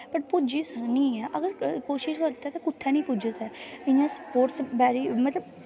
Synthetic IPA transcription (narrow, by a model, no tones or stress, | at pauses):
pəʈpʊd͡ʒiːsəknĩːɛːʔəɡəɾkoːʃɪʃkəɾt̪ɛːt̪akʊt̪ʰːɛːnĩːpʊd͡ʒət̪ɛːɪjãːsə̥poːɾʈsbɛːɾiːmət̪ləb